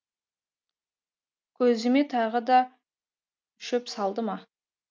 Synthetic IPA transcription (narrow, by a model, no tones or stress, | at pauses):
kʲʰɵzɪme̞t̪ʰɑʁəd̪ɑ | ʏʃɪpsɑlˠd̪əmɑ